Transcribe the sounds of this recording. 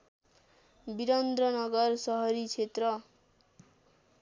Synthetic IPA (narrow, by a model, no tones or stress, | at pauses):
biɾʌnd̪rʌnʌɡʌrsʌɦʌɾit͡sʰet̪rʌ